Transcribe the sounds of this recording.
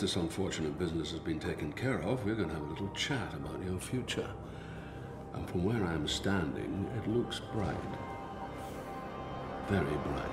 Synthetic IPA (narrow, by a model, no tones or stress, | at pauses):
ðɪsə̃ɱfɔɹt͡ʃɨnɨt̚b̥ɪznɨsɨzbɨ̃ntʰeɪkɨ̃nkʰɛɹʌvwiə˞ɡʌñəəvəlɪɾl̩ˠt͡ʃʰæɾəbaʊʔəʊfjʉt͡ʃə̰˞ | ʔə̰̃nfɹʌ̃mwə˞ãɪɨ̃mstæ̃ndɪ̰̃ŋɪ̰tˡlʊksb̥ɹaɪt̚ | vɛɹibɹaɪt